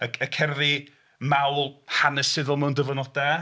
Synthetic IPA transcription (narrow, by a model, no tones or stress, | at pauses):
əəkʰɛrði | mawlˠhanɛsɪðʊlˠmɛwndəvənɔda